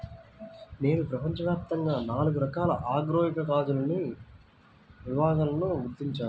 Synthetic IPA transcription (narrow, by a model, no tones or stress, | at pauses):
ne̞ːnupɾɐpɐɲt͡ʃɐʋjaːp̚t̪ɐŋɡaːnaːluɡuɾɐkaːlɐ̰ʔaːɡɾoːɦikɐkaːd͡ʒulɐni | ʋibaːɡaːlɐnuʋud̪ːiɲt͡ʃaːu